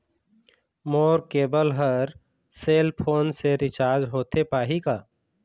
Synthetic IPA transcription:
moːɾkeːbəlɦəɾ | seːlpʰoːnseɾɪt͡ʃaːɾd͡ʒɦoːt̪epaːɦikaː

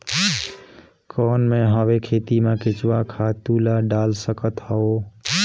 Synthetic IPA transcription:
kɔnmeɦəbekʰet̪imekit͡ʃwakʰat̪ulaɖalsəkət̪ɦəo

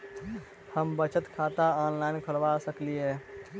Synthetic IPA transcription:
həmbət͡ʃət̪kʰat̪aɔnlainkʰəɾʋasəkliɛ

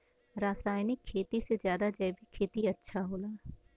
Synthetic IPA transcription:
ɾaːsaːjnɪkʰːeːt̪isezjaːd̪ad͡ʒɛːbʱikʰeːt̪iɐtːʃʰaɦoːlaː

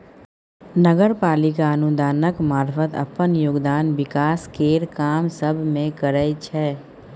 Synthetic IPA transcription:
nəɡəɾpaːlɪkaənʊd̪aːnəkmaːɾfət̪ɐ̰pənjoːɡd̪aːnwɪkaːskeːɾkaːmsəbʱmẽkəɾəjt͡ʃʰɛː

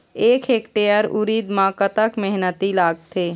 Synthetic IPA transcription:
eːkʰeːkʈejəɾuɾid̪mãkət̪əkmɛɦnət̪ilaːɡ̚t̪ʰeː

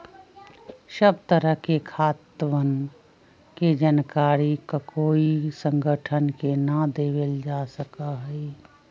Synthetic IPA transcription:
səb̚t̪əɾəɦkekʰaːt̪wən | ked͡ʒənkaːɾikakoːisə̃ŋɡʱəʈʰənkenad̪eːweld͡ʒaːsəkaɦɛi

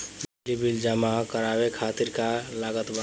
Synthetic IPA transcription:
blibild͡ʒəmakəɾaːwekʰaːt̪iɾkalaːɡət̪ba

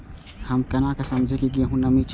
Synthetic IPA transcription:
hɐmkɐnakasɐmd͡ʒʱekiɡieɦũnɐmit͡ʃ

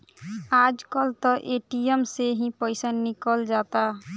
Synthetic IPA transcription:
ad͡ʒkəlt̪ɔʔeʈiəmseɦĩpəɪsanːikəld͡ʒat̪a

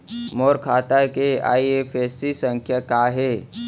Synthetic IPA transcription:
moːɾkʰaːt̪akea̰ːiefesisə̃ŋkʰjakaɦe

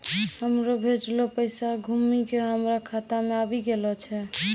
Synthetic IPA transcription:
ɦəmɾobʱet͡ʃlopəjsaɡʱumikeɦəmɾakʰat̪ameabiɡelɔt͡ʃʰɛ

